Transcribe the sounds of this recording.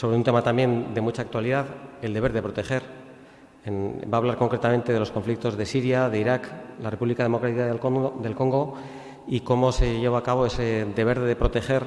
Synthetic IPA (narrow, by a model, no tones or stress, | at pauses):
soβɾeunt̪e̞mat̪ambje̞nd̪e̞mut͡ʃaːkt̪waliðaðe̞ld̪eβe̞ɾðe̞pɾo̞t̪e̞xe̞ɾ | enbaːβlaɾko̞ŋkɾe̞t̪ame̞nt̪e̞ðelosko̞ɱflik̚t̪o̞zðe̞siɾjaðe̞iɾaklarepuβlikaðe̞mo̞kɾat̪ikad̪e̞lko̞ŋɡo̞ | iko̞mo̞se̞ʝe̞β̞aːkaβ̞o̞e̞se̞ðe̞β̞e̞ɾðe̞pɾo̞t̪e̞xe̞ɾ